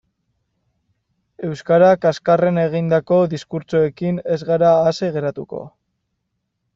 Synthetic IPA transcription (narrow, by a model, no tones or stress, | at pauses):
e̞wskaɾakaskare̞ne̞ɣ̞ind̪ako̞ðiskuɾt͡ʃoe̞kine̞zɣaɾaːseɣe̞ɾat̪uko̞̰